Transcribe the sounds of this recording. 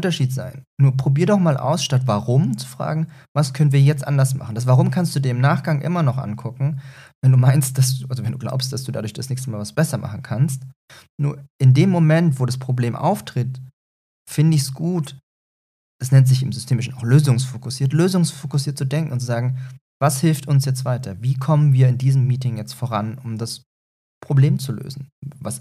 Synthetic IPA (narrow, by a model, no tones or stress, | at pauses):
ʊntɐʃiːtz̥a̰ɪnːuːɐpʁ̥obiːɐdɔχmaːlʔa̰ʊsʃtatvaʁʊmt͡su̥fʁ̥a̰ːɡŋ̩vaskʰœnənviːɐjɛt͡stʔa̰ndɐsma̰χn̩d̥asv̥aʁʊmkʰanstd̥uːdiːɐɪmnaːχɡ̥aŋʔɪ̰mɐnɔχʔa̰nkʰʊkŋ̩vɛnduːmaɪnst̚d̥asd̥uːʔalzovɛnduːɡla̰ʊpst̚d̥asd̥uːda̰dʊɐçd̥asnɛːçstəmaːlvasb̥ɛsɐmʔa̰χn̩kʰanst | nṵːɐʔɪndeːmːomɛntv̥oːɾaspʁ̥obleːmʔa̰ʊftʁ̥ɪt | fɪndəɪçsɡ̥uːt | ɛsnɛntz̥ɪçɪmzʏstʰeːmɪʃn̩aʊxløːzʊŋsfokʊsiːɐtløːzʊŋsfokʊsiːɐt̚t͡sudɛŋkŋ̩ʊntt͡suzaːɡŋ̩ | vashɪlftʊnsjɛt͡stv̥aɪtʰɐviːkʰɔmənviːɐɪndiːzəmːiːtɪŋjɛt͡stfoʁanʊmdas | pʁ̥obleːmt͡sulø̰ːzn̩vas